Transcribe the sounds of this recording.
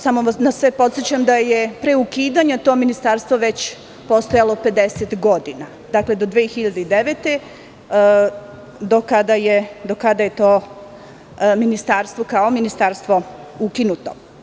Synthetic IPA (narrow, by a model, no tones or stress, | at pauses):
samoʋnasʋepo̞t̪sjet͡ɕamd̪ajepɾeukiːd̪aɲat̪o̞minist̪aːɾst̪ʋoʋe̞t͡ɕ | po̞st̪ojalo̞pe̞d̪eset̪ɡo̞d̪ina | d̪akle̞d̪o̞d̪ʋeːxiʎad̪eid̪eʋeːt̪e̞ | d̪okad̪ajed̪okad̪aje̞t̪oː | minist̪aːɾst̪ʋokaominist̪aːɾst̪ʋo̞ukinut̪o̞